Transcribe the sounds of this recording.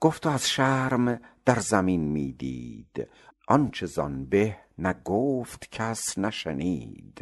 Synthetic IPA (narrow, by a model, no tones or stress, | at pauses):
ɡ̥oft̪ʰoæz̥ʃæɾmd̪̥æɾzæminmiːd̪ḭːd̪̥ | ʔɒnt͡ʃʰezɒ̰nbeh | næɡoːft̪cʰæsnæʃeniːd̪̥